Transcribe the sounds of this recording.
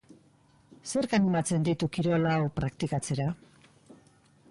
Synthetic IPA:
se̞ɾkanimat͡se̞nd̪it̪ukiɾo̞lawpɾakt̪ikat͡se̞ɾa

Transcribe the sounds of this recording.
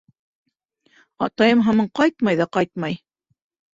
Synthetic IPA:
ɑ̰t̪ɑjɤmɦɑmɤɴqɑjt̪mɑjðɑqɑjt̪̚mɑj

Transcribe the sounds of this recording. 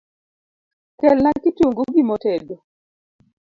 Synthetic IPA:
kɛlnakituŋɡuɡimotedo

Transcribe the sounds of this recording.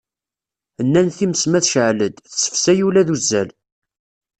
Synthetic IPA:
ənːænθiməsmæθʃʕləd̪θsə̥fsæjulæðuzːæl

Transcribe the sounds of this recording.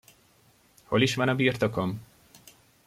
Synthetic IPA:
holiʃʋɒnɒbiːrt̪okom

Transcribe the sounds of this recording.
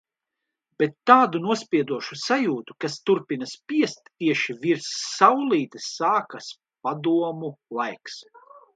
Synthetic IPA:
bɛt̪ːaːd̪unuɔspʲiɛd̪uɔʃusajuːt̪ukast̪uɾpinɐspʲiɛst̪ːiɛʃiviɾsːawlˠiːt̪isaːkas | pad̪uɔmulˠajks

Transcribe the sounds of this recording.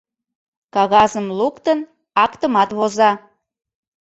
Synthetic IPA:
kɑɣɑzəmlukt̪ən | ɑkt̪əmɑt̪βozɑ

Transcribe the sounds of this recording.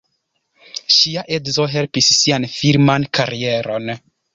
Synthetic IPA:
ʃiaʔedzo̞ɦe̞lpisːianfiɾmankaɾie̞ɾo̞n

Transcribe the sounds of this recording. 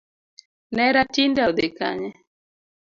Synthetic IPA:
nɛɾatindad̪eka̰ɲɛ

